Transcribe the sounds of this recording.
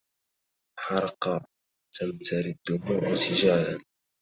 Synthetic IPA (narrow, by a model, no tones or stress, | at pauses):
ħɑɾˤqɑ | t̪amt̪ʰaɾid̪ːʊmuʔsɪʒaːla̰n